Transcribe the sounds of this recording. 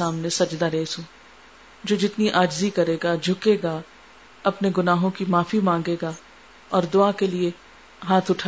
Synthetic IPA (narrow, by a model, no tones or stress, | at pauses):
aːmnesɐd͡ʒd̪aɾeːsɦũː | d͡ʒoːd͡ʒɪt̪niʔaːd͡ʒzikɐɾeːɡad͡ʒʱʊkeːɡa | ɐpneɡʊnaːɦõkimaːfimãːŋɡeːɡa | ɔːɾd̪ʊakelie | ɦaːt̪ʰʊʈʰa